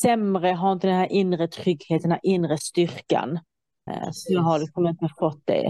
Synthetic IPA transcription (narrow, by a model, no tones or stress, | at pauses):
sɛmɾəɦaɾɪnt̪əd̪ɛnhæːɾʔɪnɾət̪ʰɾʏɡheːt̪ənæɾʔɪnːɾəst̪ʏɾka̰n | sɔjɑɦaɾlɪksɔmɪnt̪əfɔt̪̚ːd̪ɛ̰